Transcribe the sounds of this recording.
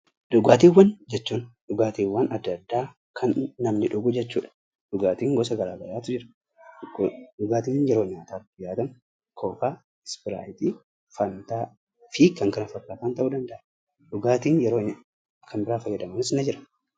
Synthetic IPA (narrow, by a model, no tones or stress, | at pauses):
ᶑʊɡaːt̪iːwːɐnd͡ʒɛt͡ʃːuːnᶑʊɡaːt̪iːwːaːnɐd̪ːɐd̪ːaː | kʰɐnːɐmnɪᶑʊɡʊd͡ʒɛt͡ʃːuːᶑɐ̥ | ᶑʊɡaːt̪iːŋɡɔsɐɡɐɾaːɡɐjaːt̪ʊd͡ʒɪɾɐ̥ | ʊɡaːt̪iːnjɛɾo̞ːɲaːt̪aːtːʊjaːt̪ɐn | kʰoːfaː | ɛspɪɾa̰ːjt̪iː | fɐnt̪aː | fiːkːɐŋkɐnɐfɐkːaːt̪aːnt̪ɐʔuːd̪ɐnd̪ɐʔɐ | ᶑʊɡaːt̪iːnjɛɾoː | kʰɐnbɪɾaːfɐjːɐd̪ɐmɐnɪsnɐd͡ʒɪɾɐ̥